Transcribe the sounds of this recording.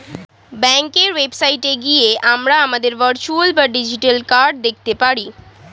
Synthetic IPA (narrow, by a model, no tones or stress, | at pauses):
bɛ̃ŋkeɾʋebsaiʈeɡieʔamɾaamad̪eɾʋəɾt͡ʃuəlpəɾɖɪd͡ʑiʈəlkaɾɖd̪ek̚ʰt̪epaːɾi